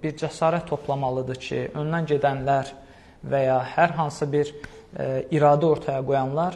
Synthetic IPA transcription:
biɾd͡ʒæsɑːɾæt̪ʰːo̞pʰlˠɑmɑlˠɯd̪ɯcʰḭʔønd̪ænɟed̪ænlæɾ | væjɑhæɾɦɑnsɯbiɾ | iɾɑːd̪æo̞ɾt̪ʰɑjɑɡo̞jɑnlˠɑɾ

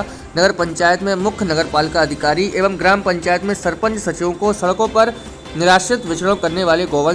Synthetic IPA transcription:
nɐɡəɾpɐ̃ɲt͡ʃaːjət̪mẽmʊkʰjnɐɡəɾpaːlkaɐd̪ʱɪkaːɾiʔeːʋəmɡɾaːmpɐ̃ɲt͡ʃaːjət̪mẽsɐɾpə̃ɲt͡ʃsɐt͡ʃjõkosɐɽkõpɐɾ | nɪɾaːʃɪt̪ʋɪt͡ʃɽõkɐɾneʋaːleɡoːʋə

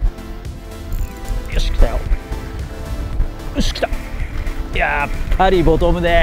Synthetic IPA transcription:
joɕi̥kʲi̥t̪ajo̰ | ɯɕi̥kʲi̥t̪ḁ | japʰaɾʲibot̪omɯd̪ɛ

